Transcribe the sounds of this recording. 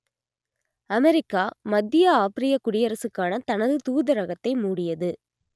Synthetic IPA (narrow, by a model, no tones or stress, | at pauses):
ɐmɛɾɪkːaːmɐd̪ːɪjɐaːpɪɾɪjɐkʊɽɪjɐɾɐsɯkːaːnɐt̪ɐnɐðɯt̪uːðɐɾɐɣɐt̪ːɐɪmuːɽɪjɐðɯ